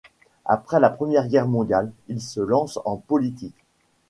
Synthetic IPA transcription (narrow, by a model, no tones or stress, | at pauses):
a̰pχɛlapχəmjɛʁɡʲɛʁmɔ̃d̪jalilsəlɑ̃sɑ̃pɔlit̪ik